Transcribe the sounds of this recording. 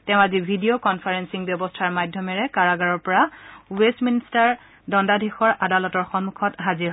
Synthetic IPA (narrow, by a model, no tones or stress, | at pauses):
tɛʊ̃azibʱidiokɔnpʰaɹensiŋbjɔbɔstʰaɹmadʱjɔmɛɹɛkaɹaɡaɹɔɹpɔɹauwesministaɹ | dɔndadʱixɔɹʔadalɔtɔɹxɔnmːukʰɔtɦazi